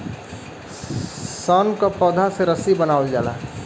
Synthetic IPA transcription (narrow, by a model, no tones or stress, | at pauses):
saːnkapɔːd̪ʱaseɾəsibənaːəld͡ʒaːla̰ː